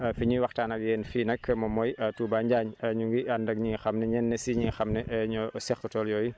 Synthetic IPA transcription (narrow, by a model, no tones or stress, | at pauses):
afiɲuwɐxtanɐɡjɛːnfiːnɐkːmɔmɔjatuːbaːɲɟaɲɐɲuŋɡiandɐɡ̚ɲiŋxɐmnɛɲɛnːɛsiɲiŋxɐmnɛʔɲɔsɛxutɔljɔːji